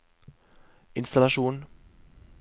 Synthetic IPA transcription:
ʔɪnstalaʃoːn

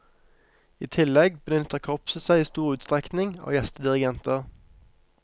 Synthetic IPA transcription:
iːt̪ʰɪlɛɡbəd̪jʏnt̪oːkʰɔpsəsæɪiːst̪uːʁʉːt̪st̪ʁɛknɪŋo̰ːjɛst̪əd̪ɪʁɪɡɛnt̪əʁ

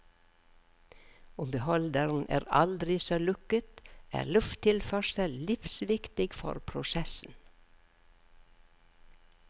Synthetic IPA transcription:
ʊmbəhɔld̪əɾn̩ʔæ̰ːɾɑ̰ld̪ɾɪsoːlʉkət̪ʔæ̰ːlʉft̪ʰɪlfœʃəllɪfsʋɪkt̪ɪɡfɔ̰ɾpʰɾʊsɛsn̩

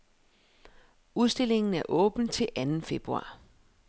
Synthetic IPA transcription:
uð̞ˠsd̥e̝le̝ŋn̩æɐʔɔ̽ːb̥n̩t͡sʰe̝lʔænn̩fe̝b̥ʁuɑ̰̈ː

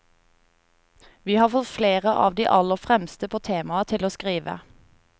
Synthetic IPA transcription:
ʋiːhɑːfɔt̪fleːʁəʔɑ̰ːʋd̪iːʔɑləfʁɛmst̪əpʰoːt̪ʰeːmɑət̪ʰɪloːskʁiːʋə̰

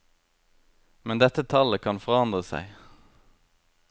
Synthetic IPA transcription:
mɛnd̪ɛt̪ət̪ʰɑləkʰɑnfɔʁɑnd̪ʁəsæ̰ɪ

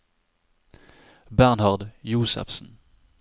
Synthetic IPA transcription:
bæʁnhɑʁd̪juːsə̰fsn̩

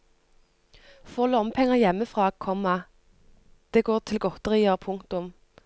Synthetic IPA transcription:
fɔːlɔɔmpʰɛŋəjɛmːəfʁɑːkʰɔmːɑ | d̪̥eːɡoːʁt̪ʰɪlɡɔt̪əʁiːəʁpʰʊŋkt̪ʊm

